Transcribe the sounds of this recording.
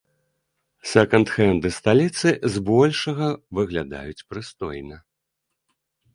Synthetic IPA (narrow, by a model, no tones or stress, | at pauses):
sʲɛkɐnt̪xɛnd̪ɨst̪alʲit̪sɨzbɔlʲʂɐɣɐvɨɣlʲad̪a̰jut͡sʲpɾɨst̪ɔjnɐ